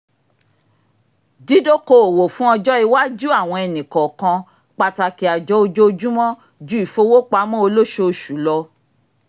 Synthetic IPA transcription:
di˦do˦ko˧o˨wo˨fũ˦ɔ˧d͡ʒɔ˦i˧wa˦d͡ʒu˦a˦˨w̃ɔ̃˧ɛ˨nĩ˨kɔ̃˨kã˧ | k͡pa˧ta˧ki˨˦a˨d͡ʒɔ˦o˧d͡ʒo˦˧d͡ʒũ˦mɔ̃˦ | d͡ʒu˦i˨fo˧˦wo˦k͡pa˧˦mɔ̃˦o˧lo˦ʃo˧˦˧ʃu˨˦lɔ˧

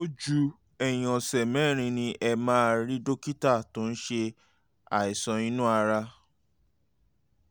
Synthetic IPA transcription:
o˦d͡ʒu˧ | ɛ˨j̃ɔ̃˨sɛ˨mɛ̃˨˦˨ɾ̃ĩ˧nĩ˧ʔɛ˧mãː˦˧ɾi˦do˦ki˦ta˦˨tõ˨˦n̩˦ʃe˧ | a̰˨i˨sɔ̃˨nĩ˦nũ˦a˧ɾa˧

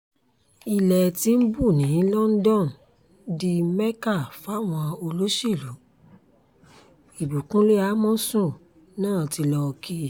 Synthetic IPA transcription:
i˧lɛ˨ti˧˦m̩˦bu˦˨nĩ˨˦˨lɔ˦n̩˦dɔ̃˦˨n˨˦ | di˧mɛ˦ka˦˨fa˨˦˨w̃ɔ̃˧o˧lo˦ʃi˦˨lu˨˦ | i˨bu˨kũ˦le˦a˦mɔ̃˦sũ˦˨ | nãː˦˨ti˧lɔ˧ki˦˨

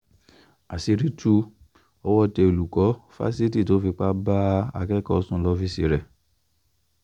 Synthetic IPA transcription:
a˨si˧ɾi˦tu˧˦ | ɔ˧˦wɔ˦˨tɛ˧o˨lu˨kɔ˨˦fa̰˦si˦ti˦˨to˨˦fi˧k͡pa˦ba˦a̰˧kɛ˦kɔ˦˨˦sũ˦lɔ˧fi˦si˧˨ɾɛ˨

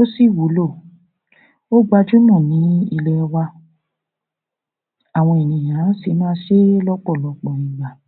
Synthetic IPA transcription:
o˦si˦˨wo˨˦lo˦˨ | o˦ɡ͡ba˧d͡ʒu˦mɔ̃˦˨nĩ˨˦i˧lɛ˧ɔ˧wa˧ | a˨w̃ɔ̃˧i˨nĩ˨j̃ã˨˦si˧˦mã˦˧˦ʃe˦lɔ˦k͡pɔ˦˨lɔ˨˧k͡pɔ˨nĩ˨˧˦ɡ͡ba˨

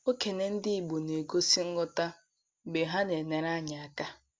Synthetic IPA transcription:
o˦ke˨ne˨n̩˦dɪ˦i˨ɡ͡bo˨ne˨ɡo˦si˦ŋ̩˦ɡʊ˦ta˦ | ɡ͡be˨ɦa˦ne˨ne˨ɾa˦ɲa˨a˨ka˦

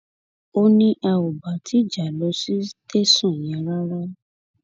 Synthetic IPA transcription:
o˦nĩ˦ʔa˧o˨ba˨tʰi˨˦˨d͡ʒa˨lɔ˨˧˦si˦te˦sɔ̃˦˨jɛ̃˨˧˦ɾa˦ɾa˦

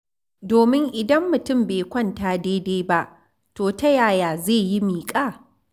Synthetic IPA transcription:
doː˨mɪ˦ŋʔɪ˨dɐ˦mːʊ˨tʊ˦˨mbeː˨kʷɐ˦ntaː˨deː˦deː˦ba˦ʔ | toː˨tɐ˦jaː˦˨jaː˨zeː˦˨ji˦miː˨kʼaː˦˨

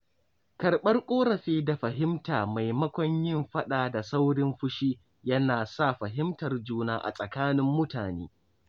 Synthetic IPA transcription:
kɐ˨rɓɐ˦rkʷʼoː˦ɾɐ˨ɸiː˦da˨ɸɐ˨ɦɪ˦mtaː˨ma˨jmɐ˦kʷɔ˦ɲjɪ˦mɸɐ˦ɗaː˨da˨sa˦wɽɪ˦mɸʊ˦ʃiː˦ | jɐ˦naː˨sa˦˨ɸɐ˨ɦɪ˦mtɐ˨rd͡ʒuː˦naː˦ʔa̰˨sʼɐ˨kaː˦nɪ˦mːʊ˦taː˨nḛː˦

